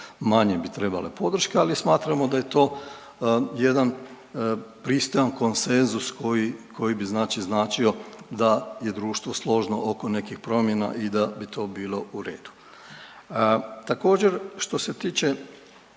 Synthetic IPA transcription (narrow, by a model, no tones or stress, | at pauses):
maɲebit̪ɾe̞ba̰lḛpo̞d̪r̩ʃkealismaːt̪ɾamod̪aje̞t̪o̞ː | je̞d̪an | pɾist̪o̞janko̞nse̞nzuskojiko̞jibiznaːt͡ʃiznaːt͡ʃio̞d̪aje̞d̪ɾuːʃt̪ʋo̞slˠo̞ʒno̞ʔokone̞kixpɾo̞mjena̰ʔid̪abit̪ʰo̞ːbiːlo̞uɾe̞ːd̪̥u̥ | t̪ako̞ːd͡ʑe̞ɾʃt̪o̞se̞t̪iːt͡ʃe